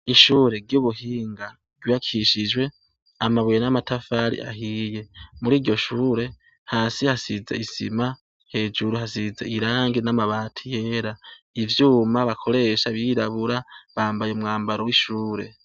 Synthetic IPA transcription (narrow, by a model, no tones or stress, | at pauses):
iʃuːɾe̞ɾɟuβuɦiːŋɡa | ɡiβakʰiʃid͡ʒwe̞ | amaβwjenamatafaɾḭʔa̰hije̞muɾiːɾɟo̞ʃuːɾe̞ | haːsihasizeisḭma | he̞ːd͡ʒuɾuhasizeiɾaːŋɡinamaβaːtʰije̞ːɾaivjuːmaβakʰo̞ɾe̞ːʃaβiɾaβuɾaβaːmbajomŋaːmbaɾowiʃuːɾe̞̰